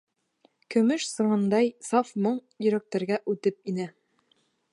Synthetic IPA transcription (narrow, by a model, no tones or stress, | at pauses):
kɵ̆mɵʃsɤ̆ʁɑnd̪ɑjsɑfmoɴ | jɵ̆ɾæk̚t̪æɾɡæʔʉt̪ɘp̚inɘ